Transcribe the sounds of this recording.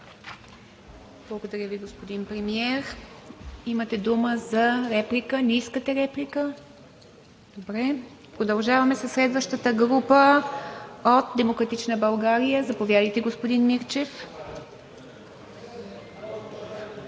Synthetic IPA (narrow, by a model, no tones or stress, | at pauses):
b̥lˠɐɡod̪ɐɾʲjəviɡospod̪inpɾɛmiɛɾ | imət̪ɛd̪uməzɐɾɛplikəniskət̪ɛɾɛplikə | d̪̥obɾɛ | pɾod̪ɐlˠʒavɐmɛsɐsːlɛd̪vəʃt̪ət̪əɡɾupə | ot̪̚d̪ɛmokɾɐt̪it͡ʃnəbɐlˠɡaɾijəzɐpovʲjad̪əjt̪ɛɡospod̪inmiɾt͡ʃɛf